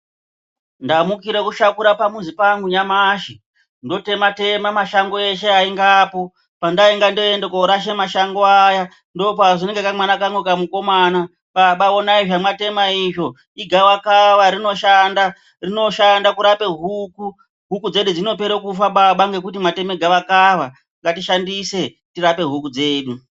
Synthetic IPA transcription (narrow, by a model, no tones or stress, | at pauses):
ndamukiɾekuʃakuɾapamuzipaŋɡuɲamaʃi | ndo̞te̞mate̞mamaʃaŋɡoe̞ʃe̞aiŋɡaːpo̞ | pandaiŋɡandoendekoɾaʃemaʃaŋɡoaja | ndo̞paʐineŋɡekamanakaŋɡokamuko̞maːna | ɓaɓaonaiʐamate̞maiʐo̞ | iɡʱaʋakaʋaɾino̞ʃanda | rino̞ʃandakuɾape̞ɦuku | ɦukud͡ze̞ɗud͡zino̞pe̞ɾekufaɓaɓaŋɡe̞kut̬imate̞meɡʱaʋakaʋa | ŋɡatiʃandise̞ | tiɾape̞ɦukud͡ze̞ːɗu